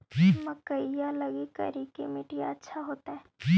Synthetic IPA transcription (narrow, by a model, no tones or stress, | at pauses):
imɐkəijalɐɡikɐ̰ɾikemɪʈija̰ətːʃʰaɦoːt̪aɦɛː